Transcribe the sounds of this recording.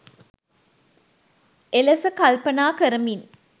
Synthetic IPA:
elɐsəkɐlpɐnaːkəɾəmin

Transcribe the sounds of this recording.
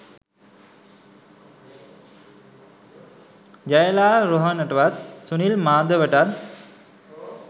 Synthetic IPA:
d͡ʒajəlaːɾoɦənəʈəʋat̪̚sunilmaːd̪əʋəʈat̪̚

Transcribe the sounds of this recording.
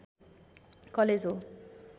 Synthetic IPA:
kʌled͡zɦo

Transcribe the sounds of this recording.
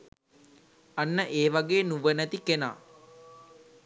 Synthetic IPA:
anːəʔeːʋaɡeːnuʋənæt̪ikena̰ː

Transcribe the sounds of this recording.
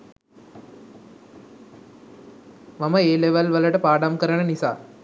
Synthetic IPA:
maməeːleʋəlʋələʈəpaːɖamkəɾəɳənisa̰ː

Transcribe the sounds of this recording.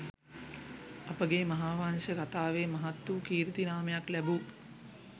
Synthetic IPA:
ɐpəɡeːmɐɦaːʋaŋʃəkat̪aːʋeːmɐɦat̪ːukiːɾit̪inaːmejaklæbu

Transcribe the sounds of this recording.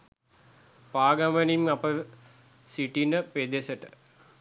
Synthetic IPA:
paːɡɐmənimapəʋ | siʈinəped̪esəʈə

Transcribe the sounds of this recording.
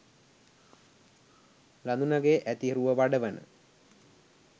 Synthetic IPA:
land̪unaɡeʔæt̪iɾuʋəʋaɖəʋənə̰

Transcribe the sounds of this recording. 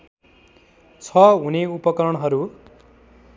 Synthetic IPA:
t͡sʰʌɦuneupʌkʌɾʌɽ̃ɦʌɾu

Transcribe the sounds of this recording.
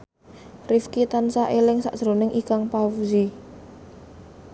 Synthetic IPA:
rifkit̪ansaʔelɪŋsa̰ʔsəɾonɪŋʔikaŋpawzi

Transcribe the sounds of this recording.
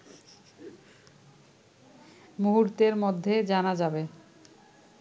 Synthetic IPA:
muɦuɾt̪eɾmod̪ʱːed͡ʑanad͡ʑabe

